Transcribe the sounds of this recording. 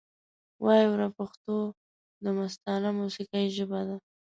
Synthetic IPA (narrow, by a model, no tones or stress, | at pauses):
wʔɑjiwɾapaxt̪o | d̪əmast̪ɑnamusiqaiʒəbad̪a